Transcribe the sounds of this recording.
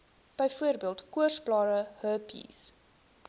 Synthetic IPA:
b̥əjfuərbiəlˠtkuərsblɑːɾəhəpḭs

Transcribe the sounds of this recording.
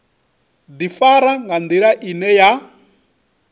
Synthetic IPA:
d̪ifaɾaŋɡand̪iɺaʔinɛja

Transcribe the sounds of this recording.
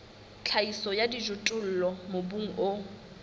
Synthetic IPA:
t͡ɬʰaisɔjadid͡ʒʊtʼʊl̩lɔmobuŋ̩ʔo

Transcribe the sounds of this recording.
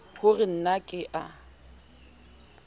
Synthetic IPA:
hʊrɪn̩nakʼɪʔa

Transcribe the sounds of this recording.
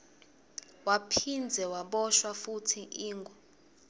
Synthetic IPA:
wapʰind͡zʱɛwaɓɔʃwafutʰiʔiːŋɡʱɔ

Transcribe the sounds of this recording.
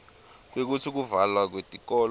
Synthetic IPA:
k̬wek̬utʰik̬uvalwak̬wetʼikɔl

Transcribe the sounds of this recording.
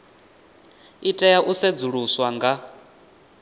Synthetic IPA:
itʼɛjaʔusɛd͡zuɺuswaŋɡa

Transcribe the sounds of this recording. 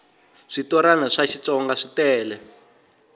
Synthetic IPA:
ʂitɔɾanaʂaʃit͡sɔŋɡaʂitɛːlɛ

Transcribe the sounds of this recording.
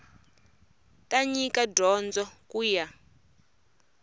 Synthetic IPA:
tʼaɲikadɔnd͡zɔkuja

